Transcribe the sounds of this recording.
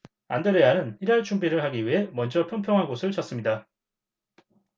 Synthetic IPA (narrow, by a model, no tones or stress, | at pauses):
a̰ndeɾejanɯniɾaɭt͡ɕʰumbiɾɯɭhaɡiɥiɦe̞mʌnd͡ʑʌpʰjʌnpʰjʌŋɦanɡosʰɯɭt͡ɕʌs͈ɯmɲida